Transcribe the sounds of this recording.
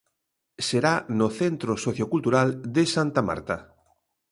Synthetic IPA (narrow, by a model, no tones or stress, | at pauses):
seɾanoθent̪ɾosoθjokult̪uɾald̪esant̪ama̰ɾt̪a